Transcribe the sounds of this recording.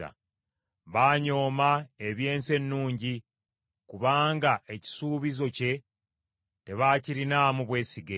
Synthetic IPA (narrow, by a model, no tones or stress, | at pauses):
a̰ | βaːɲo̞ːmae̞βje̞ːnse̞nːuːɲɟi | kuβaːŋɡaʔe̞ci̥suːβizo̞ce̞ | te̞βaːciɾinaːmuβwe̞ːsiɡe